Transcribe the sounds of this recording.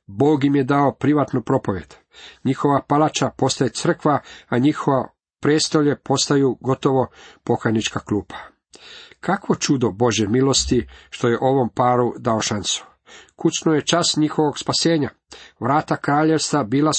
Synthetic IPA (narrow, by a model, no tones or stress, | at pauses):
bo̞ːɡjimje̞d̪aopɾiʋat̪nupɾo̞po̞ʋjḛd̪̥ | ɲixo̞ʋapalat͡ʃapo̞st̪ajet̪sr̩kʋaaɲixoʋa | pɾeːst̪o̞ʎe̞pʰo̞st̪ajuɡo̞t̪o̞ʋo̞po̞kajnit͡ʃkakluːpʰḁ | kakʋo̞t͡ʃud̪o̞bo̞ʒjemilo̞st̪iʃt̪o̞je̞ʔo̞ʋo̞mpaːɾud̪aoʃansu̥ | kut͡ʃnoje̞t͡ʃasɲixo̞ʋoɡspase̞ːɲa | ʋɾaːt̪akɾaːʎe̞ʋst̪abiːla